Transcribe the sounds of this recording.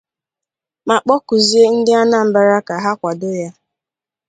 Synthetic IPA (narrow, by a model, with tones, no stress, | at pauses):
ma˨k͡pɔ˦kʊ˨zi˦e˦n̩˦dɪ˦a˦na˨m̩˦ba˦ɾa˦ka˨ɦa˦kʷa˨dʊ˦ja˦